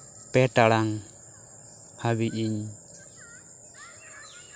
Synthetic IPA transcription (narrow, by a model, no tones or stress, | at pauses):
pɛʈaɽaŋ | habiʔiɲ